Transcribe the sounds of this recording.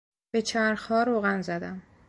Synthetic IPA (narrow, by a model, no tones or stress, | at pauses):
b̥e̞t͡ʃʰæɾxɒːɾoːɣænzæd̪æm